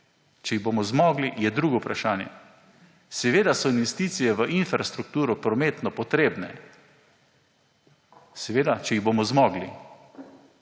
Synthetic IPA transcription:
t͡ʃɛiɣboːmɔzmɔːɡlijɛd̪ɾuːɡɔupɾaʃaːnjɛ̰ | sɛʋeːd̪asɔinʋɛst̪iːt̪sijɛʋəʔinfɾast̪ɾuk̚t̪uːɾɔpɾɔmeːt̪nɔpɔt̪ɾeːbnɛ | sɛʋeːd̪at͡ʃɛiɣboːmɔzmɔːɡli

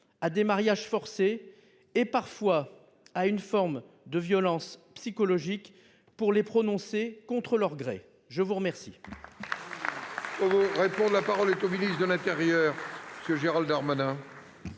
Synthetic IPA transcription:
ad̪emaʁjaʒfɔʁseː | paʁfwa | aynfɔʁm | d̪əvjɔlɑ̃spsikɔlɔʒik | puʁlepχɔnɔ̃sekɔ̃t̪χəlœʁɡʁḛ | ʒəvuʁəmɛʁsḭ | kɔvoʁepɔ̃d̪lapaʁɔlɛt̪ominisd̪əlɛ̃t̪eʁjœːʁməsjəʒeʁald̪aʁmanɛ̃

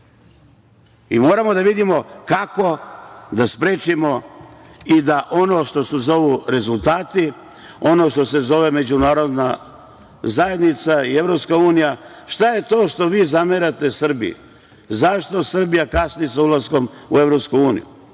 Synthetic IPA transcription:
imo̞ːɾamo̞d̪aʋid̪imo̞kako̞d̪aspɾeːt͡ʃimo̞ | id̪aʔo̞no̞ʃt̪o̞suzo̞ʋuɾe̞zulˠt̪aːt̪i | o̞no̞ʃt̪o̞se̞zo̞ʋe̞me̞d͡ʑunaːɾo̞d̪na | zaje̞d̪nit̪saie̞ʋɾo̞pskauːnija | ʃt̪aje̞t̪o̞ːʃt̪o̞ʋiːzameɾat̪e̞sr̩bḭjḭ | zaʃt̪o̞sr̩bijakasniesaulˠazko̞mueʋɾopskuuːnḭjṵ

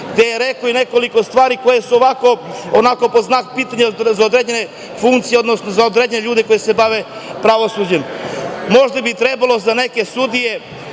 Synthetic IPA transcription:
ɡd̪e̞jeɾekoine̞ko̞liko̞st̪ʋaːɾiko̞jesuoʋako̞onako̞po̞znakpiːt̪aɲezaod̪ɾed͡ʑene̞ | fuŋkt̪sijeo̞d̪nosnozaod̪ɾeːd͡ʑeneʎuːd̪eko̞jese̞baʋe̞pɾaʋo̞sud͡ʑemmo̞ʒd̪abit̪ɾebalˠo̞zane̞ke̞sud̪ije̞

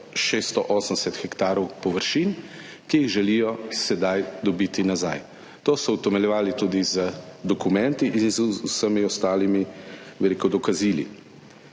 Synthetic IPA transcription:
ʃeːst̪ɔʔɔːsən̩d̪ɛsɛt̪xɛkt̪aːɾɔwpɔʋəɾʃiːn | kijiɣʒɛlijɔsɛd̪ajd̪ɔbiːt̪inaza̰j | t̪oːsɔwt̪ɛmɛljɛʋaːlit̪uːd̪izəd̪ɔkumɛnt̪iʔinzusəmiɔst̪aːlimiʋɛɾekɔd̪ɔkaziːlḭ

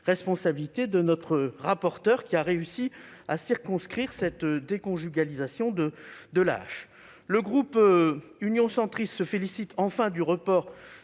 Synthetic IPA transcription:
ʁɛspɔ̃sabilit̪ed̪ənɔt̪χəʁapɔʁt̪œʁkʲiaʁeysiasiʁkɔ̃skχiʁsɛt̪d̪ekɔ̃ʒyɡalizasjɔ̃d̪əd̪əla̰ʃ | ləɡʁup | ynjɔ̃sɑ̃t̪χist̪səfelisit̪ʰɑ̃fɛ̃d̪yʁəpɔʁ

